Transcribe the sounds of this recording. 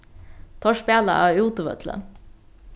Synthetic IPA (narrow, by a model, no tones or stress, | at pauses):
t̪ʰɔʂpeːlə̰ʔɑːuːt̪ʊʋœ̰t̪ʰlə̰